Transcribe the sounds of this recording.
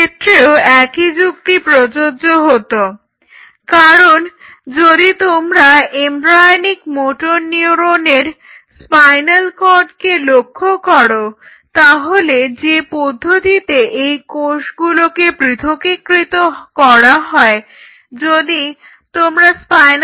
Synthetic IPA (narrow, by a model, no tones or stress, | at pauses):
et̪ːɾeoɛkid͡ʑukt̪ipɾod͡ʑod͡ʑoɦot̪o | kaɾon | d͡ʑod̪it̪omɾaembɾajnikmoʈoɾniuɾoneɾ | spajnalkɔɾɖkelokʰːokɔɾo | t̪aɦoled͡ʑepod̪ʱːot̪it̪eʔejkoʃɡulokepɾit̪ʰokekɾit̪okɔɾaɦɔe | d͡ʑod̪i | t̪omɾaspajn